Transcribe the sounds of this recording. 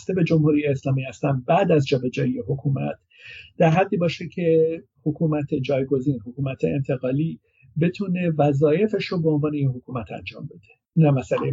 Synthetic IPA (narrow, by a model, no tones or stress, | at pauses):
st̪e̞be̞d͡ʒo̞mhuːɾijeːslɒːmiːhæst̪ænd̪̚bæd̪æzd͡ʒɒːbe̞d͡ʒɒːjijeɦokʰumæ̰t̪ | d̪̥æɾɦæd̪ːiːbɒːʃecʰe̞ | hokʰuːmæt̪ʰe̞d͡ʒɒːjɡo̞ziːnhokʰuːmæt̪ʰḛːnt̪ʰe̞ɣɒːliː | be̞t̪ʰuːne̞væzɒːje̞fe̞ʃobe̞o̞nvɒːneinɦokʰuːmæt̪ʰæ̰nd͡ʒɒ̰ːmbe̞d̪̥e | næmæsælej